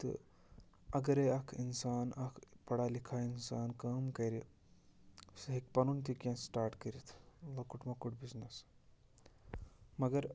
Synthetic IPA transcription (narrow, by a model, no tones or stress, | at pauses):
t̪ɨ̰ | ɐɡɐɾeɐkʰinsaːnɐkʰpɐɽalikʰainsaːnkɐːmkɐɾi | sɦek̚pɐnunt̪ikʲãnsʈaːɾʈkəɾit̪ʰlɐkuʈmɐkuʈ̚bisnɐs | mɐɡɐɾ